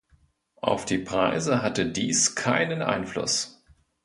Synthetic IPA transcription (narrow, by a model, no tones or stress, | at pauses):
ʔa̰ʊfd̥iːpʁ̥aɪzəɦatədiːskʰaɪnənʔa̰ɪnflʊ̰s